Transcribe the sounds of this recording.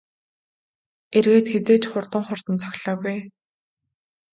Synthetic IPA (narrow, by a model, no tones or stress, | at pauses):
erɣeːt̪xet͡seːt͡ɕχʊrt̪ə̆ŋχʊr̥t̪ə̆nt͡sʰɔ̥xʲɮɔːɣuj